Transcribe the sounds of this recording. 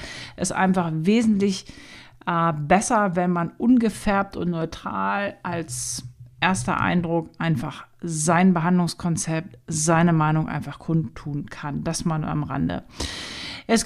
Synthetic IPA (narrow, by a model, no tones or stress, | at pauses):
ʔɛstʔa̰ɪnfaχveːzn̩tlɪç | ʔbɛsɐvɛnmanʔʊnɡəfɛɐp̚tʊntnɔʏtʁ̥a̰ːlʔalsʔeːɐstɐ̰ʔa̰ɪndʁʊkʔaɪnfaχzaɪnbəɦandlʊŋskʰɔnt͡sɛp̚tz̥aɪnəmaɪnʊŋʔa̰ɪnfaχkʰʊntʰːuːnkʰand̥asmana̰mʁa̰ndə̰ | ʔɛs